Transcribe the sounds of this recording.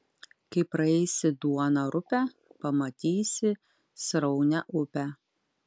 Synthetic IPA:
kɐɪpɾɐɛɪsʲɪd̪uɔnɐɾʊpʲæ | pɐmɐt̪ʲiːsʲɪ | sɾɐʊnʲɛʔʊpʲæ

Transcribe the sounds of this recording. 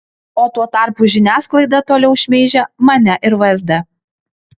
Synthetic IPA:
oːt̪uɔt̪ɑɾpuʒʲɪnʲæːsklˠɐɪd̪ɐt̪oːlʲɛʊʃʲmʲeːʒʲɛmɐnʲɛʔɪɾʋɐzʲd̪ʲɛ

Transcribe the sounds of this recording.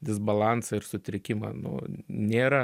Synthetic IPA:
d̪ʲɪzbɐlˠɑnsɐɪrsʊt̪ʲɾʲɪkʲɪmɐ̰nʊ̰nʲeːɾɐ

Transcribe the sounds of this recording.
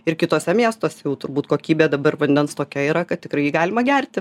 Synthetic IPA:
ɪrkʲɪt̪oːsʲɛmʲiɛst̪oːsʲɛjɛʊt̪ʊɾbuːt̪koːkʲiːbʲeːd̪ɐbɐrʋɐnʲd̪ʲɛnst̪oːkʲɛiːɾɐkɐt̪̚tʲɪkɾɐɪjiːɡɑːlʲɪmɐɡʲærʲt̪ʲɪ

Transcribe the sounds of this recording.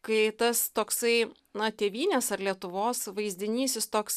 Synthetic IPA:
kɐɪt̪ɐst̪oːksɐɪ | nɐt̪ʲeːʋʲiːnʲeːsɐɾlʲiɛt̪ʊʋoːsʋɐɪzʲd̪ʲɪnʲiːsʲɪst̪oːks

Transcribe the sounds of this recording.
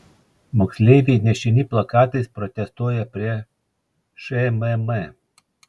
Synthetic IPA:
mɔksʲlʲeːʋʲinʲɛʃʲɪnʲiːplˠɐkɑːt̪ɐɪspɾɔt̪ʲɛst̪uɔjɛpʲɾʲiɛ | ʃɛmɛmɛ

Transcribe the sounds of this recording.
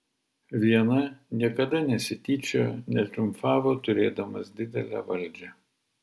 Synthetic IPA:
ʋʲiɛnɐnʲiɛkɐd̪ɐnʲɛsʲɪt̪ʲiːt͡ʃʲoːnʲɛt̪ʲɾʲʊmfɑːʋot̪ʊɾʲeːd̪ɐmɐsd̪ʲɪd̪ʲɛ̰lʲæ̰ːʋɐlʲˑd͡ʒʲɛ

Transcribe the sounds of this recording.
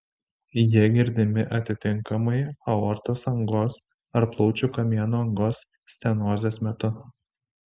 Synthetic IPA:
jiɛɡʲɪɾʲd̪ʲɪmʲɪʔɐt̪ʲɪt̪ʲɪŋkɐmɐɪɐɔɾt̪oːsɐŋɡoːs | ɐɾplˠɒʊt͡ʃʲʊkɐmʲiɛnuːɐŋɡoːsːʲ | t̪ʲɛnoːzʲeːsmʲɛt̪ʊ

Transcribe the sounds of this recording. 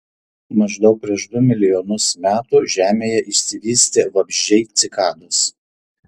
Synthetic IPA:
mɐʒd̪ɐʊk̚pʲɾʲiɛʃd̪ʊmʲɪlʲɪjɔnʊsmʲæːt̪uʒʲæːmʲeːjɛʔɪʃʲsʲɪʋʲiːsʲt̪ʲeːʋɐbʲʒʲd͡ʒʲɛɪt̪sʲɪkɑːd̪ʊs

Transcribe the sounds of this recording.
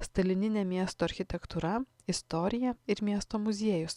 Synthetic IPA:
st̪ɐlʲɪnʲɪnʲɛmʲiɛst̪oːɐɾʲxʲɪt̪ʲɛkt̪uɾɐ | ɪst̪ɔɾʲɪjɛɪɾmʲiɛst̪oːmʊzʲieːjʊs

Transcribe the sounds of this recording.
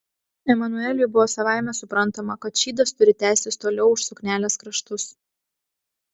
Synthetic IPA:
ɛmɐnʊɛlʲʊjbʊʋoːsɐʋɑˑɪmʲɛsʊpɾɐnˑt̪ɐmɐkɐt̪ʃʲiːd̪ɐst̪ʊɾʲɪt̪ʲæˑːsʲɪst̪oːlʲɛʊʊʃsʊknʲæːlʲeːskɾɐʃt̪ʊs

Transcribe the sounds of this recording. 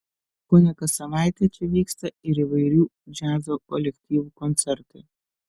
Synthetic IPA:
kɔnʲɐkɐsɐʋajt̪ʲɛt̪ʲɔʋʲikst̪ɐiɾɪʋɐjɾʲud͡ʒazɔkɔlʲekt̪ʲiwkɔnt̪sɛrt̪ɪ

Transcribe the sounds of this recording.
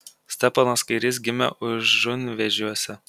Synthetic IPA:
sʲt̪ʲɛpɑnoːskɐɪɾʲɪs̬ɡʲɪmʲɛ̰ʔʊʃʒʊnʲʋʲɛʒʲuɔsʲɛ

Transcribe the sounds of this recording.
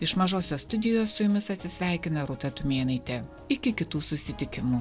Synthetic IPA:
ɪʃmɐʒoːsʲoːst̪ʊd̪ʲɪjoːsːʊjʊmʲɪsɐt̪ʲsʲɪsʲʋʲæˑɪkʲɪnɐɾʊt̪ɐt̪ʊmʲeːnɐɪt̪ʲe | ɪkʲɪkʲɪt̪uːsʊsʲɪt̪ʲɪkʲɪmuː

